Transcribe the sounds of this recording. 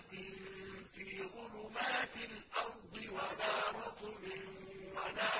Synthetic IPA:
t̪ɪnfiːɣʊlʊmaːt̪ɪlʔɑɾd̪ˤɪwalaːɾˤʊt̪ʊmɪnwalaː

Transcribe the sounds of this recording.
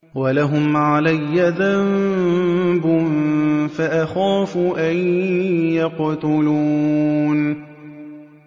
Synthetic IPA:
walaɦʊmʕalajːaðam | bʊnfaʔaxaːfʊʔajjaqt̪ʊluːn

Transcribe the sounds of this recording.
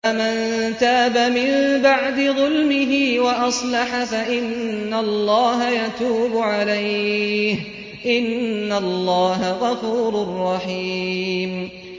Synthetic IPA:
aman | t̪aːbamɪnbaʕd̪ɪðˤʊlmɪɦɪːwaʔɑsˤlɑħafaʔɪnːalːɑːɦajat̪uːbʊʕalajh | ʔɪnːalːɑːɦaɣɑfuːɾʊrˤːɑħiːm

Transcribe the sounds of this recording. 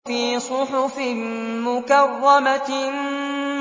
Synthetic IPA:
fiːsʊħʊfɪmʊkɑrˤːɑma

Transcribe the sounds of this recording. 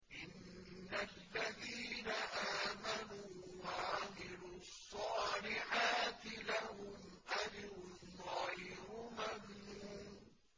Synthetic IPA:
ʔɪnː | alːaðiːnaʔaːmanuːwaʕamɪluːɑsˤːɑːlɪħaːt̪ɪlahʊmʔad͡ʒɾʊnɣajɾʊmamnuː

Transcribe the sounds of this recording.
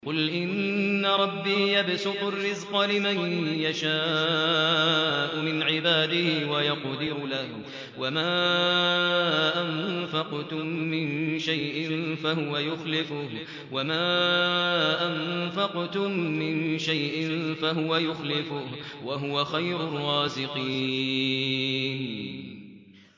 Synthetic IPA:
qʊlʔɪnːaɾˤɑbːiːjabsʊq̪ʊrːɪzqɑlɪmanjaʃaː | ʔʊmɪnʕɪbaːd̪ɪhɪwajɑqd̪ɪɾlah | wamaː | ʔanfɑqt̪ʊmːɪnʃajʔɪnfaɦʊwajʊxlɪfʊh | wamaː | ʔamfɑqt̪ʊmːɪnʃajʔɪnfaɦʊwajʊxlɪfʊhwaɦʊwaxajɾʊrˤːɑːsɪqi | n

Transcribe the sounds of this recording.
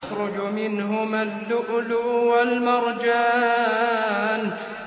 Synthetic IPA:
xɾˤʊd͡ʒʊmɪnɦʊmad̪ːʊʔlʊwalmɑɾˤd͡ʒaː | n

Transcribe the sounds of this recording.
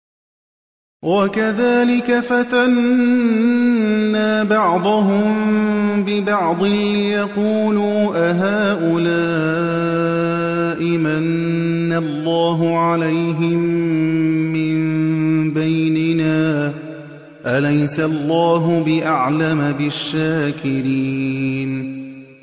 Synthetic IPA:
wakaðaːlɪkafat̪an | aːbɑʕd̪ˤɑɦʊmbɪbɑʕd̪ˤɨlɪjɑquːluːʔaɦaːʔʊlaː | ʔɪmanː | alːɑːɦʊʕalajɦɪmː | ɪmbajnɪnaː | ʔalajsaʔɑlˤːɑːɦʊbɪʔaʕlamabɪʃːaːkɪɾiːn

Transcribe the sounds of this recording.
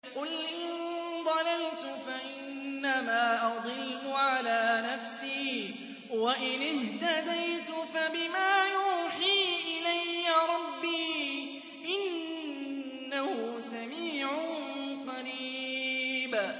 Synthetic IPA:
qʊlʔɪnnd̪ˤɑlalt̪ʊfaʔɪnːamaːʔɑd̪ˤɨlːʊʕalaːnafsiː | waʔɪnɪht̪ad̪ajt̪ʊfabɪmaːjuːħiːʔɪlajːaɾˤɑbːiː | ʔɪn | ahʊsamiːʕʊqɑɾiː | b

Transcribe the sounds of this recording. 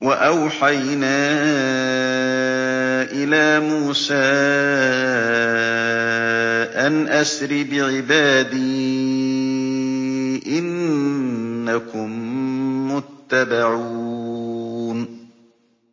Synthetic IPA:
waʔawħajnaː | ʔɪlaːmuːsaː | ʔanʔasɾɪbɪʕɪbaːd̪iː | ʔɪnː | akʊmː | ʊt̪ːabaʕuː | n

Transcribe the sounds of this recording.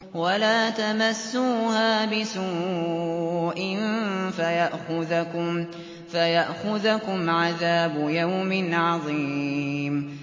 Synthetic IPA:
walaːt̪amasːuːhaːbɪsuː | ʔɪnfajaʔxʊðʊ | fajaʔxʊðʊkʊmʕaðaːbʊjawmɪnʕɑðˤi | m

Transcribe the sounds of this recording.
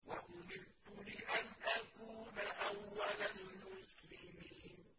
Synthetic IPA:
waʔʊmɪnt̪ʊlɪʔanʔakuːnaʔawːalalmʊslɪmiːn

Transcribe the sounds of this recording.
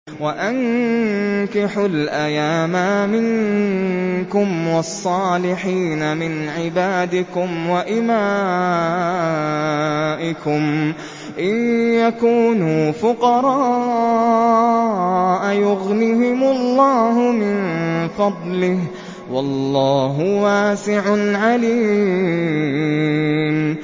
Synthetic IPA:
waʔaŋ | kɪħʊlʔajaːmamɪŋ | kʊmwɑsˤːɑːlɪħiːnamɪnʕɪbaːd̪ɪkʊmwaʔɪmaː | ʔɪkʊm | ʔɪðjakuːnuːfʊqɑɾˤɑ | ʔajʊɣniɦɪmʊlˤːɑːɦʊmɪnfɑd̪ˤlɪh | wɑlːɑːɦʊwaːsɪʕʊʕaliː | m

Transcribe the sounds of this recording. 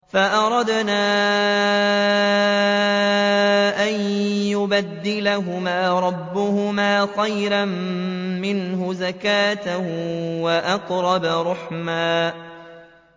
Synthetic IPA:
faʔɑɾˤɑd̪naː | ʔanjʊbad̪ːɪlaɦʊmaːɾˤɑbːʊhʊmaːxajɾammɪnɦʊzakaːt̪awaʔɑqɾˤɑbaɾˤʊħmaː

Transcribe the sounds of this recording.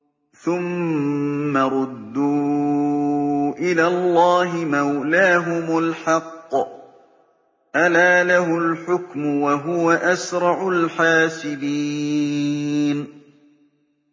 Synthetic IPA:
θʊmː | aɾˤʊd̪ːuː | ʔɪlaːlˤːɑːɦɪmawlaːɦʊmʊlħɑqː | ʔalaːlaɦʊlħʊkmʊwaɦʊwaʔasɾˤɑʕʊlħaːsɪd̪iː | n

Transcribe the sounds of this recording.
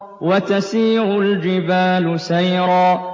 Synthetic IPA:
wat̪asiːʕʊld͡ʒɪbaːlʊsajɾɑː

